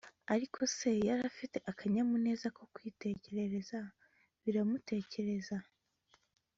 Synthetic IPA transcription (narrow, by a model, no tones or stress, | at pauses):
aɾikʰo̞se̞jaɾafite̞ʔakaɲamune̞ːzako̞kwiːte̞ce̞ɾe̞ɾe̞za | βiɾamute̞ːce̞ɾe̞za